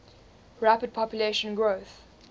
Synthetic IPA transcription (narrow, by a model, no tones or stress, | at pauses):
ɹæpəd̚pʰɔpjuleʃə̃nɡɹoθ